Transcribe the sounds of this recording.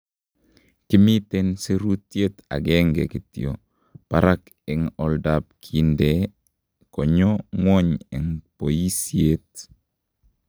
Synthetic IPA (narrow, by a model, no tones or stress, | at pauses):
kimitenseɾutjeta̰ɡeŋɡḛkitḭo | paɾak | ɪŋɔldap̚kʰinde | koɲoŋoɲḭŋpojisiet